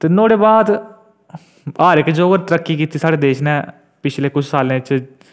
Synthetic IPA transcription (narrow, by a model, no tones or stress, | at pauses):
t̪eːnoːɽeːbaːd̪ | aːɾɪkd͡ʒoːɡəɾt̪əɾəkːiːkiːt̪iːsaːɽeːd̪eːʃnɛː | pɪt͡ʃʰleːkʊt͡ʃʰsaːlẽːɪt͡ʃ